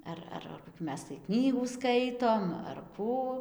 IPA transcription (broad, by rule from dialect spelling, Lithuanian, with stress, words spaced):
ˈɐr ɐr koːˈkʲuː ˈmʲɛs tɐɪ ˈknʲiːɡuː ˈskɐɪtoːm ɐr ˈkuː